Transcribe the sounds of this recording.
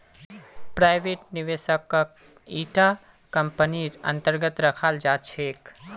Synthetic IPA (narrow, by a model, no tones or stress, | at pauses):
pɾaːɪbeːʈniʋesəkːa | iːʈa | kəmpəniɾə̰̃nt̪əɾɡət̪ɾəkʰald͡ʒaːt͡ʃʰeːk